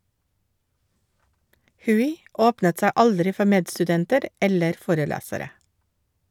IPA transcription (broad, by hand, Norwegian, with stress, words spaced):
ˈhʉːɪ ˈoːpnət ˈsæ ˈɑldɾɪ ˈfɔ ˈmeːdstʉˌdɛntəɾ ˈɛləɾ ˈfoːɾəˌlæːsəɾə